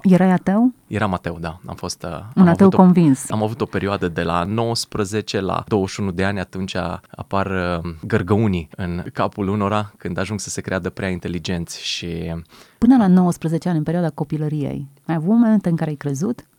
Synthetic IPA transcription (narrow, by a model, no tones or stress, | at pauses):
jeɾajat̪ewjeɾamat̪ewd̪aa̰mfo̞st̪unmavt̪ewtko̞nvinsamavut̪o̞pe̞ɾioad̪əd̪e̞la̰no̞wəspɾəze̞t͡ʃe̞la̰d̪owəʃunud̪e̞anʲat̪unt͡ʃaa̰parɡərɡəuniɨnkapuluno̞ɾakɨnd̪aʒuŋɡsə̥se̞kɾead̪əpɾeaint̪e̞lid͡ʒe̞nt̪sʲʃipɨnəlano̞wəspɾəzet͡ʃeanʲɨnpeɾioad̪ako̞piləɾije̞̰j | ajavumoment̪eɨŋkaɾeajkɾe̞zut̪